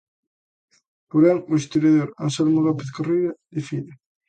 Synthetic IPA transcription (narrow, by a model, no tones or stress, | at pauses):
poɾaŋʊest̪oɾjaðoɾansɛlmolɔpeθkoriɾad̪ifiðɪ